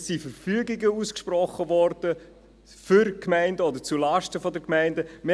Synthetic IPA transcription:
sːifəɾfyəɡiɡəuskʃprɔχəvɔɾd̥ə | fʏɾkmæɪndəɔd̪əɾt͡sulɑʃtəfɔdəkmæɪndəme

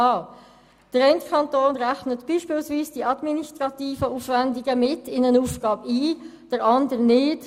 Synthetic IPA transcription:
ɑː | d̥əɾɛɪntkʰɑntoːnʁæxnətb̥iːʃpiːlsviːsd̥iʔɑdministʁɑt̪iːfəuːfvændiɡəmɪtɪnənuːfɡ̥ɑːbiːd̥əɾɑndəɾnɪːt

